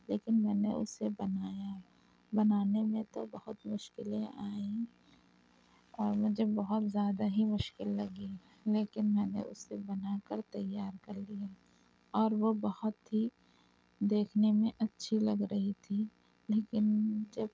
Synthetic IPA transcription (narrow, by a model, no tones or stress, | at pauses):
leːkɪnmɛ̃ːnḛʊ̰sːebɐnaːja | bɐnaːnemẽt̪obɐhʊt̪mʊʃkɪlẽʔaːĩ | ɔːɾmʊd͡ʒʱebɐɦʊt̪zjaːd̪aɦimʊʃkɪlːɐɡi | leːkɪnmɛ̃ːnḛʔʊ̰sːebɐnaːkɐɾt̪ɐjːaːɾkɐɾlia | ɔːɾʋobɐhʊt̪ɦi | d̪eːkʰnemẽʔɐtːʃʰilɐɡɾɐɦit̪ʰiː | leːkɪnd͡ʒɐb̚